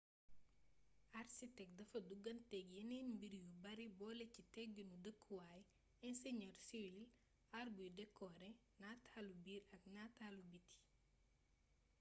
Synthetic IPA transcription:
ʔarsitɛk̚dɐfɐduɡɐntɛɡjɐnɛnbiɾjubɐɾibɔːlɛcitɛk̚ɡunudəkʰːuwaːj | ɛnsɛɲɔrsiwil | arbujudɛkʰːɔɾɛ | natʰaːlubiːɾɐk̚natalubitːi̥

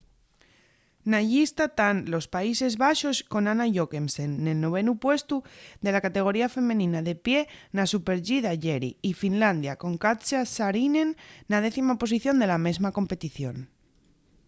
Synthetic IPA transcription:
naʝist̪at̪anlo̞spaise̞zβaʃo̞sko̞nanaʝo̞ke̞msenːe̞lno̞β̞e̞nupwe̞st̪uðe̞lakat̪e̞ɣ̞o̞ɾiafe̞mẽ̞nĩnaðe̞pje̞nasupe̞ɾʎiðaʝeɾḭifinland̪jako̞ŋkat͡ʃasaɾinenːað̞e̞θimapo̞s̬iθjo̞nd̪e̞lame̞zmako̞mpe̞t̪iθjo̞̰n

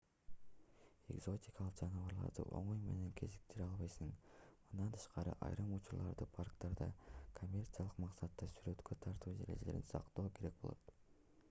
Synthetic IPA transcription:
e̞̰ɡzo̞tʲikɑlˠɯqd͡ʒɑnɯvɑɾlˠɑ̰ɾd̪ɯ̰ʔo̞̰ɴojme̞̰ne̞ŋkʰe̞zik̚t̪eɾɑlˠβɑjsɯŋmɯnd̪ɑnt̪ʰɯ̥ʃqɑɾɯ̰ʔɑ̰jɾɯmut͡ʃuɾlˠɑɾd̪ɯpʰarkt̪ɑɾd̪ɑ̰kʰomʲːe̞rt̪sɨjalˠɯqmɑqsɑt̪ːɑsyɾø̞t̪kʰø̞t̪ʰɑɾt̪ʰuːd͡ʒeɾeele̞ɾḭnsɑ̰qt̪o̞ːkʰe̞ɾe̞k̚bo̞lˠo̰t̪

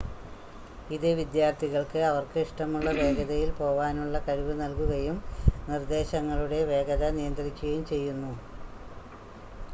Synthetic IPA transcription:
iðeʋid̪jaːrt̪ʰiɣɐɭkɨɐʋɐrkɨiʂʈɐmuɭːɐʋe̞ːɡɐðɐjilpo̞ːʋaːnuɭːɐkɐɻiʋɨnɐlkuɣɐjumnird̪e̞ːɕɐŋːɐɭuɽe̞ʋe̞ːɡɐðɐnijɐnd̪ɐɾikʲːuɣɐjumt͡ɕe̞jːunːu

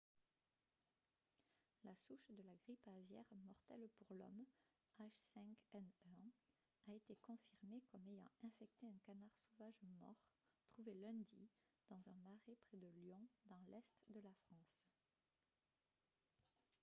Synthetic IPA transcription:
lasuʃd̪əlaɡʁipavjɛ̰ʁmɔʁt̪ɛlpuʁlɔ̰m | aʃsɛ̃kɛnø | aet̪ekɔ̃fiʁmekɔmejɑ̰̃ɛ̃fɛk̚t̪eɛ̃kanaʁsovaʒmɔ̰ʁt̪χuvelɛ̃d̪i | d̪̥ɑ̃zɛ̃maʁepχɛd̪əljɔ̃d̪ɑ̃lɛst̪d̪əlafχɑ̃s

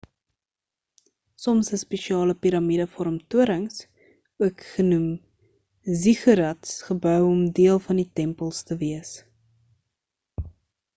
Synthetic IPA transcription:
sɔmsəspeʃiɑːləpiɾɐmidəfɔɾɔmtuəɾəŋs | uəkχənum | ziχəɾɐtsχəbœwɔmdiəlˠfɐnditɛmpəlˠstəviəs

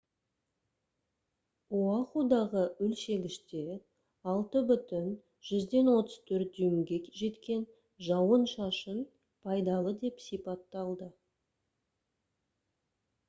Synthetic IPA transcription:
uɑqud̪ɑʁəʏlʃe̞ɡʲɪʃt̪e̞ | ɑlˠt̪əbʏt̪ɪn | ʒ̥ʏzd̪e̞nwo̞t̪əz̥t̪ʰɵɾt̪̚d̪yjŋɡʲe̞ʒe̞t̪kʲe̞n | ʒɑwənʃɑʃən | pʰɑjd̪ɑlˠəd̪e̞psijpɑt̪ːɑlˠd̪ə

